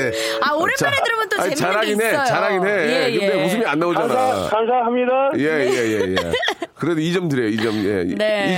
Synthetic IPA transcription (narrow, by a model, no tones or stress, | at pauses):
aoɾet͡ɕeɯɾɯmnt͈oait͡ɕaɾaɡinet͡ɕaɾaɡinedemus̬ʰɯmianːaod͡ʑanakansʰaɦamɲidaje̞jejejḛ | kɯɾedoid͡ʑʌmdɯɾjʌjoid͡ʑʌmjḛi